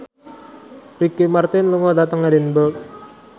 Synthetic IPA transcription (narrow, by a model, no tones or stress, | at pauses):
rikimart̪ɪnluŋɔdat̪əŋadɛnbək̚